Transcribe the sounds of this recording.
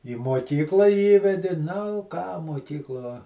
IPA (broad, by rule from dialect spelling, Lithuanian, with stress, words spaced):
iː moːˈkʲiːklˠɑː ˈiːʋʲɛdʲɪ nʊ kɑː moːˈkʲiːklˠuɔ